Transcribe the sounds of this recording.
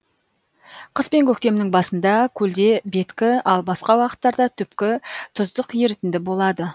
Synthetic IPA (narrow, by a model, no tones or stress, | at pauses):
qʰəspe̞ŋkʲʰɵk̚t̪e̞mɪnɪŋbɑsənd̪ɑkʲʰɵld̪e̞be̞t̪kʲɪɑlˠbɑsqɑwɑqə̥t̪ːɑɾd̪ɑt̪ʰʏpkʲɪt̪ʰʊzd̪əqje̞ɾɪt̪ɪnd̪ɪbo̞lˠɑd̪ə